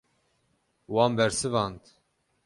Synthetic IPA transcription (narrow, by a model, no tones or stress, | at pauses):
wɑːmbɛɾsɨvɑːnt̪